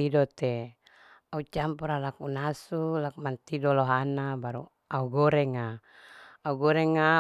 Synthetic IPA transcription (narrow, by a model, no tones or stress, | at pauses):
idot̪e | aut͡ʃampuɾalakunasulakmant̪idoloɦanabaɾṵ | auɡɔɾeŋaː | uɡɔɾɛŋa